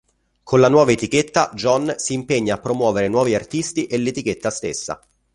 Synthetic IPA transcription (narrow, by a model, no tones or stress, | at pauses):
kʰonlanwɔːvaet̪iket̪ːad͡ʒɔnsiːmpeɲːaːpːɾomwɔːveɾenwɔːviart̪ist̪iʔelːet̪ik̟et̪ːast̪ḛsːa̰